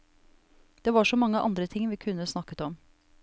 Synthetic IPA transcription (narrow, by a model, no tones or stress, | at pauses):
d̪̥eːʋɑːʂoːmɑŋːəʔɑ̰nd̪ɾət̪ʰɪŋʋiːkʰʉnːəsnɑkət̪ɔm